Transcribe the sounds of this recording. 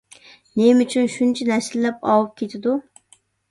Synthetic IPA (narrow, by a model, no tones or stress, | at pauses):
nemyt͡ʃʰynʃunt͡ʃʰɛnɛslɪlɛpɑwup̚kʲʰet̪ʰɪd̪u